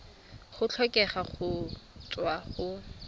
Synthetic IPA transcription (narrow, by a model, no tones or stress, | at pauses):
χʊt͡ɬʰɔkʼɛχaχʊt͡sʼwaχʊ